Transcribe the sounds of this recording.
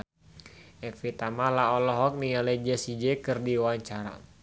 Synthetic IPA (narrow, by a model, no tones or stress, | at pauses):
ɛfit̪amalaɔlɔɦɔk̚nialɛd͡ʒɛsid͡ʒɛkɨrdiwaaɲt͡ʃaɾa̰